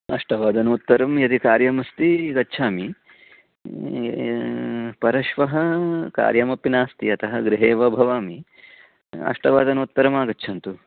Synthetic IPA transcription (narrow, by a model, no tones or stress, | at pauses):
ɐʂʈɐʋaːd̪ɐnuːt̪ːɐɾɐmjɐd̪ikaːɾjɐmɐst̪iɡɐtːt͡ʃʰaːmi | pɐɾɐʃʋɐɦɐka̰ːɾjɐmɐpinaːst̪iɐt̪ʰɐɦɐɡɾiɦeːʋɐbʱɐʋaːmi | ɐ̰ʂʈɐʋaːd̪ɐnuut̪ːɐɾɐmaːɡɐtːt͡ʃʰɐnt̪u